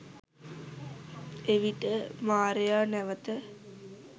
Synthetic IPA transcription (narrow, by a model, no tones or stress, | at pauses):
eʋiʈəmaːɾejaːnɛʋət̪ə